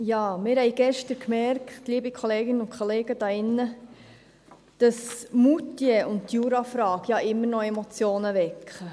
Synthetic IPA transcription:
jɑːmɪːɾhɛɪɡɛʃtəɾkmɛɾktliːbikʰɔleːɡɪnəʊnkʰχɔleːɡ̥əd̥ɑːɪnːə | d̥ɑsmutːjɛʔʊnttjuːɾɑfɾɑːɡ̥jɑʔɪmːəɾnɔemɔt͡sjoːnəʋɛkχə

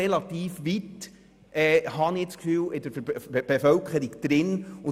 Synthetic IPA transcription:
elɑt̪iːfʋit | ʔɛːhɑnit͡skfyːlɪd̪əɾb̥efœlkχəɾiɡd̪̥ɾɪnʊ

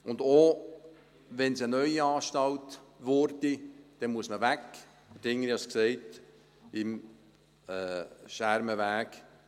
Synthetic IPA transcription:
ʊnd̪o | ʋɛnsənœʏiɑːʃtɑltʋɔɾdid̥ɛnmuəsməʋæk | fəd̥ɪŋːəɾiɑsksɛɪt | ɪm | ɛːʃæɾməʋæːk

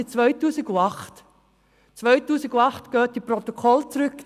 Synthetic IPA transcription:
it͡svœʏtuːsɪɡuɑχt | t͡svœʏtuːsɪɡuɑχtɡ̥œːt̚d̥iprɔt̪ɔkʰɔlt͡sɾʏk

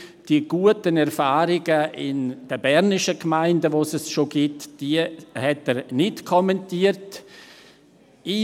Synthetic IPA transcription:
d̥iəɡ̥uətənɛɾfaːɾɪɡəʔɪnd̥əbɛɾnɪʃəkmaɪndəʋosɛsʃoɡ̥ɪtd̥iəhɛtəɾnɪtkʰɔmɛntiəɾt | i

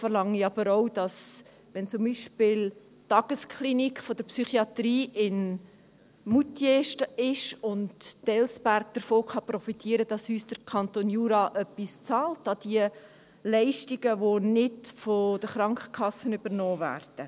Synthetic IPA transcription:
fərlɑŋiɑbəɾoʊd̥ɑs | ʋɛnt͡sʊmbiʃpɪl | tːɑɡ̥əskʰlinikfɔd̥̪əɾpsyχiɑtɾiːʔɪn | mutjeʃtəɪʃʊnttɛlsbæɾɡ̚d̪̥əɾfoːkɑprɔfitʰiːəɾəd̥ɑshyːsd̥əɾkʰɑntoːnjuːɾɑʔœpːist͡sɑːltɑd̥̪iə | lɛɪʃtiɡ̥əvonɪdfod̥əχɾɑŋkχə̥kʰχɑsənʏbəɾnɔːvæ̰ːrd̥ə

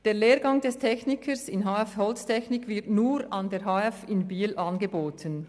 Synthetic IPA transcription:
d̥eːɐleːɾɡɑŋdɛstʰɛçnɪkʰəsɪnɦaːɛfhɔlstʰɛçnɪkvɪɐtnuːɾɑndeːɾɦaɛfɪnbiːlʔɑnɡeboːtʰən

